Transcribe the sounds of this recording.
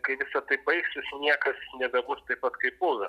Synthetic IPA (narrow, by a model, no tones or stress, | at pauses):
kɐɪʋʲɪsɐt̪ɐɪbɐɪksʲɪsnʲiɛkɐsnʲɛbʲɛbʊst̪ɐɪppɐt̪kɐɪpbʊːʋɐ